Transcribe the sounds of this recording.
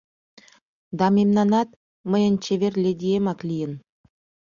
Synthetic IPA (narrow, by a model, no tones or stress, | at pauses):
d̪ɑmemnɑnɑt̪̚ | məjənt͡ɕeβerlʲed̪iemɑklijən